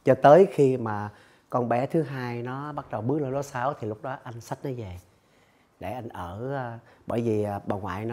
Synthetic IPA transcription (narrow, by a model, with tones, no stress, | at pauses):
t͡ɕɔ˧t̪əː˨˦jxi˧maː˨˩ | kɔ˧nɓɛ˨˦t̪ʰɨ˨˦ɦaː˧jnɔ˨˦ɓa˦˥t̚ɗə˨˩wɓɨ˦˥k̚ləː˧ɗo˨˦saː˨˦wt̪ʰi˨˩lʊ˦˥k͡p̚ɗɔ˨˦ʔa˧jŋ̟sa˦˥k̚nɔ˨˦jve˨˩ | ɗe˧˩ʔa˧jŋ̟ʔəː˧˩˧ɓəː˧˩jvi˨˩˨ɓaː˨˩ŋwa̰ː˧˨jnɔ˨˦